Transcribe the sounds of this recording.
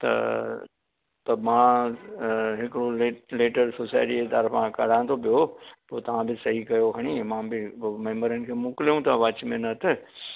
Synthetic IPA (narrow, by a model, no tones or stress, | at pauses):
t̪ɐ̰ | t̪ɐmãː | ɦɪkɽoleleːʈəɾsoːsaːɪʈiet̪ɐɾfãkɐɽ̤ãːnt̪ʰopijopoːt̪ɐʋ̤ãbɪsɐɦikɐjokɐɽ̃imãːbɪmẽːmbəɾənɪ̆kʰeːmʊkɪlijũt̪ʰaʋɐt͡ɕmẽnɐt̪ʰɪ